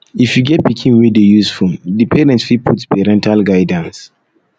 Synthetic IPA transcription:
ifjuɡɛt̚pikʰĩnwidejusfuldipʰɛɾɛ̃ntsfipʰutpɛɾɛ̃ntʰalɡajdãns

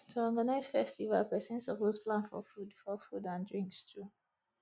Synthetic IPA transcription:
tʰuɔɡanaɪz̥fɛstiva̰lpɹɛsɛ̃ntsəvospʰlãnfɔ̰fudfɔfudãndɹĩŋkstʰu

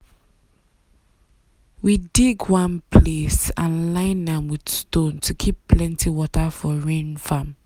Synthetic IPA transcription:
widiɡwãnpʰlesãnlãɪ̃nãmwid̥stõntʰukʰipːlɛ̃ntʰiwɔtʰafɔɹẽnfãm

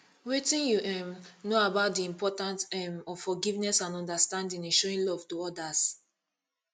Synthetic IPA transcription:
wetĩnjuɛmnoabaʊt̚diĩmpʰɔtãnsɛmɔvfɔɡivnɛsãnɔ̃ndastãndĩŋɛ̃nʃɔɹĩnlɔv̥tuɔdas

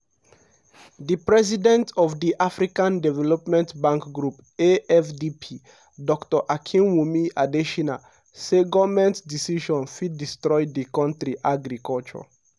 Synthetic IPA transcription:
dipɹɛz̬idɛ̃ntɔvdiʔafɹikãndɛvɛlɔpmɛ̃ntbãŋkɡɾup | eɛfdipʰi | dɔktɔʔakʰĩnwumiʔadeʃina | seɡɔvmɛ̃ntdisiʃɔ̃nfid̚distɹɔɪdikɔ̃ntɹiʔaɡɾikɔlt͡ʃɔ̰

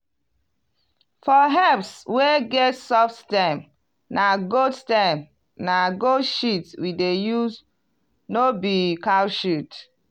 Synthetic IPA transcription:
fɔɦɛpsweɡɛtsɔfttɛ̃m | naɡodstɛ̃m | naɡoʃitwidejus | nobikalʃit

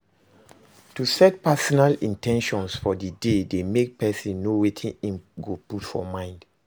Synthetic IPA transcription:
tusɛt̚pasɔnalĩntɛ̃nʃɔ̃nsfɔdidedemek̚pɛsĩnːowetʰĩnĩmɡoputfɔ̰mãɪ̃nd

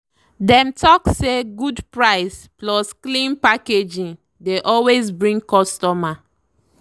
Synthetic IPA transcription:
dɛ̃mtʰɔkseɡudpɹaɪsplɔsklĩnpaked͡ʒĩn | deʔɔlwes̬bɹĩŋɡkɔstɔma

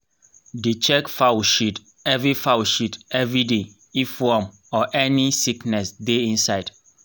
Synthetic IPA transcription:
dit͡ʃɛkfaʃit | ɛvɹifaʊʃitɛvɹide | ifɔm | ɔʔɛnisiknɛsdeĩnsaɪd̥

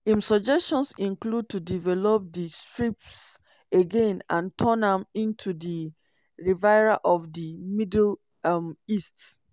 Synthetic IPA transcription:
ĩmsɔd͡ʒɛstɔ̃nsĩnklud̚tʰudivɛlɔp̚distɹips | eɡẽnãntʰɔ̃nãmĩntʰudi | ɹivaɪɹaʔɔfdimidl | mist

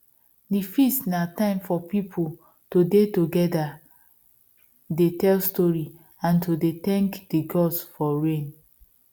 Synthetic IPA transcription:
difistnatãɪ̃mfɔpipʰol | todetoɡɛda | detɛlstɔɹi | ãntodetɛ̃ŋkd̥iɡɔdsfɔɹẽn

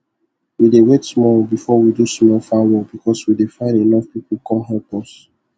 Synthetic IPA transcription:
widewetsmɔlbifɔwidusmɔlfawɔbikʰɔswidefãɪ̃nenɔfpipukʰɔ̃mɦɛbɔs

